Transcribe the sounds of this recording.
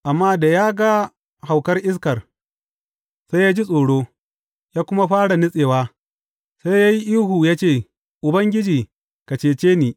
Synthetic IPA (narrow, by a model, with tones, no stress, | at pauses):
ʔa˨mːaː˦da˨jaː˦ɡa˦ | ha˨wkɐ˦rʔɪ˦s̬kɐ˨r | sa˦jaː˦d͡ʒi˦sʼoː˨ɽoː˦ | jaː˦kʷʊ˦ma˦ɸaː˦ɽa˨nɪ˦sʼeː˨waː˦ | sa˦jjaː˦ji˦ʔiː˦ɦuː˨jaː˦t͡ʃeː˦˨ | ʔʊ˨bɐ˦ŋɡʲɪ˦d͡ʒiː˨ | ka˨t͡ʃeː˨t͡ʃeː˦niː˨